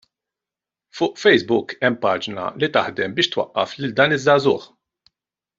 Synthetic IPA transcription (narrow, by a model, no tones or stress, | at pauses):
fʊːʔfɛjsbʊkɛmːpɐːd͡ʒnɐ̰lit̪ɐħd̪ɛmbɪːʃt̪wɐ̰ʔːɐ̰flɪld̪ɐːnɪzːɐːzʊːħ